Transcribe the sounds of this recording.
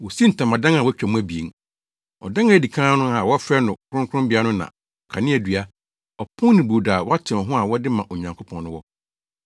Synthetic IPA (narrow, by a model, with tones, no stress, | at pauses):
wɔ˨si˦n̩˨tʰã˨mã˨dã˦ŋ˨a˨wɔ˦t͡ɕᶣɛ˨mũ˦æ˨bi˨ḛ˨ŋ | ɔ̰˨dã˦ŋa˨di˨kʰã˦nʊ̃˦a˨wɔ˦fɾɛ˦nʊ̃˨kʰʊ˦ɾʊ̃˦ŋkʰʷʊ˦ʊ̃˦bi˨˦a˦nʊ̃˦nã̰˨ | ɔ˨kʰã˨nɪ̃˦æ˨dɥa˦ | ɔ˨pʰʊ̃˦nɪ̃˨bu˨daː˨wɔ˦a˦tʰɪ̃˨ɔ˨ɦʊ̃˦a˨wɔ˦dɪ˦mã˨ʔo˨ɲã˨ŋkʰo˦pʰɔ̃˨nʊ̃˦wɔ˦